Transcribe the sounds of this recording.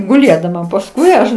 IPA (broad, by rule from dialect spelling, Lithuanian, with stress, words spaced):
ɡʊˈlʲeːdɐmɐ pɐsˈkʊɪ ɐʃ